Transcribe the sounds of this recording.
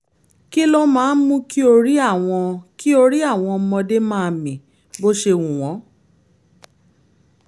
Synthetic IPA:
ki˦lo˦mãː˨˦n̩˦mũ˦ki˦o˧ɾi˦a˦˨w̃ɔ̃˧ki˦o˧ɾi˦a˦˨w̃ɔ̃˧mɔ̃˧de˦mãː˦˨˧mĩ˨ | bo˦ʃe˧˨wũ˨w̃ɔ̃˨˦

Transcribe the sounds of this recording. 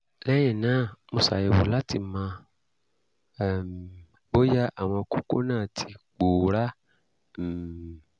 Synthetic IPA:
lɛ˦j̃ɛ̃˦˨nãː˦˨mõ˧˨sa̰˨je˨wo˨la˦ti˧mã˧˨ | m | bo˦ja˦ʔa˨w̃ɔ̃˧ku˦ko˦nãː˦˨tʰi˧k͡po˨ɾa˦˨

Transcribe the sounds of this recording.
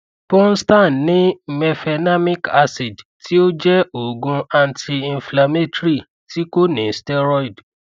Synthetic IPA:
pɔ̃˦n̩˦stã˦˨nnĩ˦mɛ˧fɛ˧na˦mĩ˦ka˧si˨d͡ʒtʰi˦o˦d͡ʒɛ˦o˨ɡũ˧a˧ntʰi˧ĩ˨˧fla˧me˦tɾi˦˨ | tʰi˦ko˦nĩ˨˦stɛ˦ɾɔ˦i˨d

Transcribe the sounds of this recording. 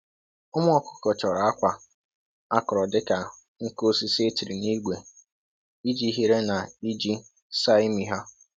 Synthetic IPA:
ʊ˦m˦ɔ˦kʊ̥˦kɔ˨t͡ʃɔ˨ɾa˨a˦kʷa˨ | a˦kʊ˨ɾɔ˨dɪ˦ka˨ | ŋ̩˦ko˦si˦se˦ti˨ɾi˨ni˦ɡʷe˨ | i˦d͡ʒi˦ɦi˦ɾe˦na˨i˦d͡ʒi˦ | sa˦ɪ˦mi˨ɦa˦

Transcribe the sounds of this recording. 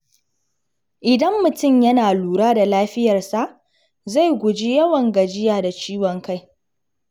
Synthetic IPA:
ʔɪ˨dɐ˦mːʊ˨tʊ˦˨mjɐ˦naː˨luː˨ɾaː˦da˨laː˦ɸɪ˦jɐ˨rsa˦˨ʔ | za˦˨jɡʷʊ˨d͡ʒi˦jɐ˦wɐ˨ŋɡɐ˨d͡ʒɪ˦jaː˨da˨t͡ʃiː˦wɔ˨ŋka˦˨j

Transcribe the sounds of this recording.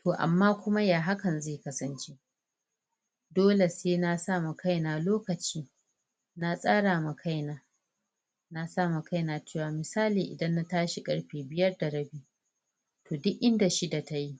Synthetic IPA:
tʰoː˨ʔa̰˨mːaː˦kʷʊ˦ma˦jaː˨ɦa˦kɐ˨nzeː˦˨kɐ˦sɐ˦nt͡ʃe˦ | doː˦le˨seː˦na˦sa˦˨mu˨ka˦jnaː˨loː˦kɐ˨t͡ʃiː˦ | na˦sʼaː˦ɽaː˨ma˨kʰa˦jnaː˨ | na˦saː˦˨mu˨ka˦jnaː˨t͡ʃeː˦˨waː˨mɪ˨saː˦liː˨ʔɪ̰˨dɐ˦nːa˦taː˦ʃi˨kʼɐ˦ɽɸeː˨bɪ˦jɐ˦rda˨ɽɐ˦biː˦ | tʰoː˨dʊ˦ʔʔɪ˦nda˨ʃi˦da˨ta˦ji˦

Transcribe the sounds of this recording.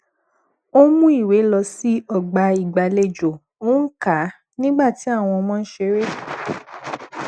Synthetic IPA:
o˦mũ˦i˦˨we˨˦lɔ˧si˦ɔ˦˨ɡ͡ba˧i˨ɡ͡ba˨le˨d͡ʒo˨ | o˦n̩˦ka˨˦ | nĩ˦ɡ͡ba˦˨ti˨˦a˦˨w̃ɔ̃˧mɔ̃˦n̩˦ʃe˧˦ɾe˦

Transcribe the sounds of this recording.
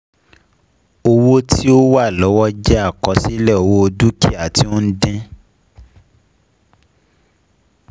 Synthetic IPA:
o˧wo˦tʰi˦o˦wa˦˨lɔ˨˦wɔ˦d͡ʒɛ˦a˦˨kɔ˨˦si˦lɛ˦˨o˨wo˦o˧du˦ki˦˨a˨ti˨˦o˦n̩˦dẽ˦

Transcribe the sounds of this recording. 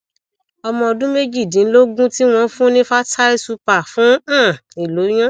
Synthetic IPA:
ɔ˧mɔ̃˧ɔ˧dũ˦me˦d͡ʒi˦˨dĩ˨˦lo˦ɡũ˦ti˦w̃ɔ̃˧˦fũ˦nĩ˦fa˦tʰa˦e˦su˧pa˦˨fũ˨˦˨i˨lo˨˦j̃ã˦

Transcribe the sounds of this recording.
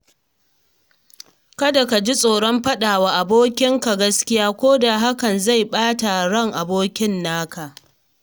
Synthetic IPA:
kɐ˦da˨ka˨d͡ʒi˦sʼoː˨ɽɔ˦mɸɐ˦ɗaː˨waː˨ʔa˨boː˦kʲɪ˦ŋka˨ɡɐ˦skʲɪ˦jaː˦kʷoː˦da˨ɦa˦kɐ˨nza˦˨jɓaː˦ta˨ɽɐ˦˨ŋʔa˨boː˦kʲɪ˦nːaː˦ka˨

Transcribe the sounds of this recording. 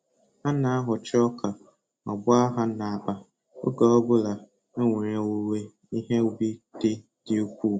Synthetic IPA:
a˦na˨a˦ɦʊ˨t͡ʃɪ˦ɔ˦kʰa˨ | ɔ˨ɡ͡bʊ˦a˦ɦa˦na˨a˨k͡pa˨ | o̰˦ɡa˨ɔ˦bʊ˦la˨ | e˦ŋʷe˨ɾe˨wo˦we˦ | i˦ɦe˦˨˦bi˦d̥ɪ˦ | d̥ɪ˦o˦kʷu˦˨

